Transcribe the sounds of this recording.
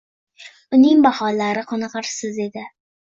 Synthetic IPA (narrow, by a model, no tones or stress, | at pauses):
ʊnɪŋbahɒlaɾɪqʰɒnɑqɑɾsɪze̞d̪ɪ